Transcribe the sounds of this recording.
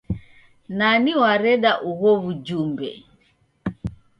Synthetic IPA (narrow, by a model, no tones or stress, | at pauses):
naniwaɾɛɗaʔuɣɔβud͡ʒumbɛ̰